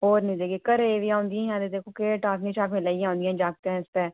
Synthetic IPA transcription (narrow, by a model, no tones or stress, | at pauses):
ɦoːɾnĩːd̪eːɡekəɾeːʋijãːʊ̃nd̪ijãːjãːd̪ed̪eːkokeːʈaːknĩːʃaːkmɪlaːijãːɦʊ̃nd̪ijãːd͡ʒaːk̚t̪eɦɛ̃ːɪst̪ɛː